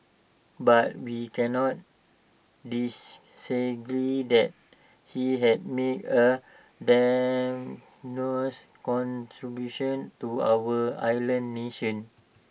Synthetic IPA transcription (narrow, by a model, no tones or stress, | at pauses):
bat̚wikɛ̃nɔt̚ | dis | səɡɹidɛt̚ | hiɦɛd̚metə | da | nos | kɔ̃ntɹibjuʃɔ̃ntua̰wəa̰jlə̃nːeʃə̃n